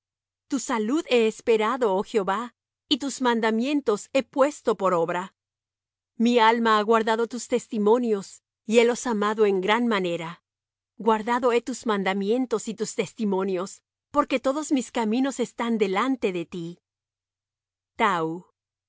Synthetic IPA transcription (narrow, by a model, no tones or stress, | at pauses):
t̪usaluðe̞ːspe̞ɾaðo̞oxjo̞βa | it̪uzmãnd̪amje̞nt̪o̞se̞pwe̞st̪o̞po̞ɾo̞βɾa | mialmaaɣwaɾðaðo̞t̪ust̪e̞st̪imõ̞njo̞s | ie̞lo̞samaðo̞e̞ŋɡɾanmane̞ɾa | ɡwaɾðaðo̞e̞t̪uzmãnd̪amje̞nt̪o̞sit̪ust̪e̞st̪imõ̞njo̞s | po̞ɾke̞t̪o̞ðo̞zmiskamĩno̞se̞st̪and̪e̞lant̪e̞ðe̞t̪i | t̪au